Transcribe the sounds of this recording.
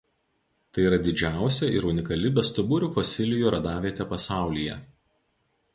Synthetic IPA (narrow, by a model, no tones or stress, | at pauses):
t̪ɐɪiːɾɐd̪ʲɪd͡ʒʲæˑʊsʲɛɪ̰ɾʊnʲɪkɐlʲɪbʲɛst̪ʊbʊɾʲuːˑfɔsʲɪlʲɪjuːˑɾɐd̪ɑːʋʲiɛt̪ʲɛpɐsɑˑʊlʲijɛ̰